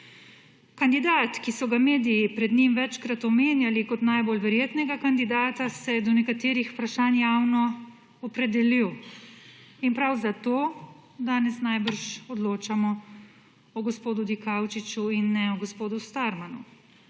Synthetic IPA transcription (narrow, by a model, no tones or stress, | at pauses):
kand̪id̪at̪kisɔɡameːd̪ijipɾɛd̪nimʋɛt͡ʃkɾat̪ɔmeːnjalikɔt̪najbolʋɛɾjeːt̪nɛɡakand̪id̪aːt̪asɛjɛd̪ɔnɛkat̪eːɾixpɾaʃaːnjaːwnɔ | ɔpɾɛd̪ɛliw | inpɾawzat̪oː | d̪aːnɛsnajbəɾʃɔd̪loːt͡ʃamɔ | ɔɡɔspoːd̪ud̪ikawt͡ʃit͡ʃuinːɛɔɡɔspoːd̪ust̪aɾmanu